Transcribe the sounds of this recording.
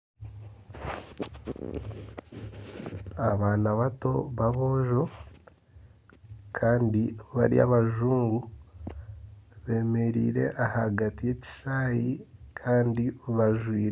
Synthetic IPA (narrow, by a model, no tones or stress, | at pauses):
aβaːnaβato̞βaβo̞ːʒo̞ | kʰaːndiβa̰ɾḭa̰βaʒuːŋɡu | βe̞ːme̞ɾḭːɾe̞̰ʔahaɡatije̞ci̥ʃaːjikʰaːndiβaʒwiːɾe